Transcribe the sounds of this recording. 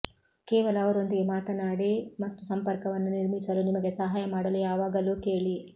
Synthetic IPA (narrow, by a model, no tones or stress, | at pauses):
kɛːʋɐlɐːʋɐɾond̪uimaːt̪ɐnaːɽimɐt̪ːusɐmpɐɾkɐʋɐnːuniɾmisɐlunimɐɡe̞sɐɦaːjɐmaːɽɐlujaːʋaːɡɐlukeːɭi